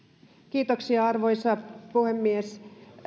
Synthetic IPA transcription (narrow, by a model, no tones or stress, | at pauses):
kiːt̪oksiɑɑrʋojsɑpuhemːies